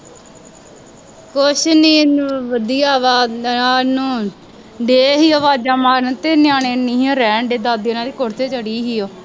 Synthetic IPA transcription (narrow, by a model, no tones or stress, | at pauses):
kʊʃniːʋəd̪ijaːʋaːaːnũː | ɖeːɦiːoʋaːd͡ʒaːmaːɾnt̪eːnɪjaːneːniːoɾɛːɳɖeːd̪aːd̪eːnãːd̪iːkʊɾt̪ʰeːt͡ʃəɽiːɦiːoː